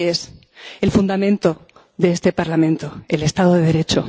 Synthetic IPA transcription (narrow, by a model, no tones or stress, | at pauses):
es | e̞lfund̪amẽnt̪o̞ | ðe̞est̪e̞paɾlamẽ̞nt̪o̞e̞le̞st̪aðoðeðe̞ɾe̞t͡ʃo